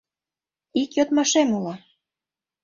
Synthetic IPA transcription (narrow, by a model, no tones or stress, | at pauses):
ikjot̪mɑʃemulɑ